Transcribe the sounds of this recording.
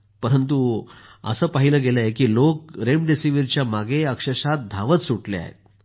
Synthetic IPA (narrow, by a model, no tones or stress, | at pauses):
pəɾənt̪u | ə̰səːpaɦiləːɡelajekiːlok̚ɾemɖesiʋiɾt͡ɕjamaɡeəkʂəɕat̪̚d̪ʱaʋət͡ssuʈlḛa̰ɦḛt̪̚